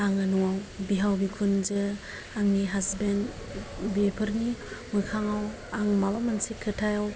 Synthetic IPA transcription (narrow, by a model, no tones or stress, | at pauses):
aŋɯnuwawbiɦawbikʰund͡ʒɯ | aŋniɦasben | biepʰɯɾnimɯkʰaŋaw | aŋmabamansekʰɯtʰajaw